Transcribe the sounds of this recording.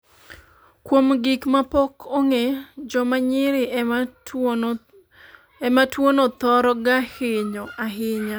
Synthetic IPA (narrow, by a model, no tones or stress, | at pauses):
kwomɡɪkmapokʰoŋed͡ʒɔmaɲɪɾɪ | ɛmatwonɔt̪ɔɾɔɡaheɲoʔaɦɪɲa